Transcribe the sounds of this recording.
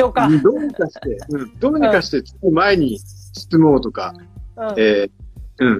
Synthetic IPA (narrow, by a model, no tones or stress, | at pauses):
okad̪o̞ɲ̟ikaɕi̥t̪eɯ̟̃ɴd̪o̞ːɲ̟ikaɕi̥t̪e̞t͡sɨ̥tomae̞ɲ̟isɨ̥t͡sɨmoːt̪o̞ka | eːɯ̟̃ɴ